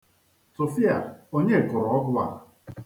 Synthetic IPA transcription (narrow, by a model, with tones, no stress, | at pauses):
so˨fi˦a˨o˦ɲe˦˨kʊ˨ɾɔ˨ɔ˦ɡʊ˦a̰˦˨